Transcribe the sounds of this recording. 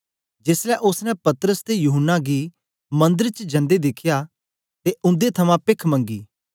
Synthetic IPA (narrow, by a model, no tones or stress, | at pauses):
d͡ʒɪslɛʔʊsnɛ̃pɐt̪ɾəst̪ejuːɦənːaɡi | mɐ̃nd̪əɾt͡ʃəd͡ʒɐ̃nd̪ed̪ɪkʰja | t̪eʊ̃nd̪et̪ʰɐmãpɪkʰmɐ̃ŋɡḭː